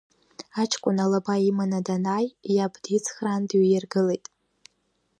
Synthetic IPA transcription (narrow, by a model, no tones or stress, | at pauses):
at͡ʃʰkʷʼʊnalabaimanadanajjabdit͡sʰχrandɥjɪrɡɨlejtʼ